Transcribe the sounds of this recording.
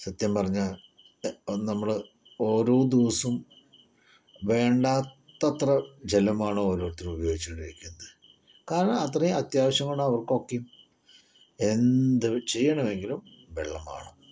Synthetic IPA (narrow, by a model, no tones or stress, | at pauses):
sɐt̪jɐmpɐrɐɲːa | nɐmːɐɭɨ | o̞ːɾo̞ːd̪iʋɐsum | ʋe̞ːɳɖaːt̪ːɐt̪rɐd͡ʑe̞lɐmaːɳooːɾoːɐt̪ːilubɐjo̞ːɡit͡ɕːuɳɖiɾikʲːunːɐðɨ | kaːɾɐɳɐɐt̪rɐjɐt̪jaːʋɐɕjɐŋːɐɳaɐʋɐrkokːejum | e̞nd̪ɨt͡ɕe̞jːɐɳɐʋe̞ŋɡilum | ʋeɭːɐma̰ːɳo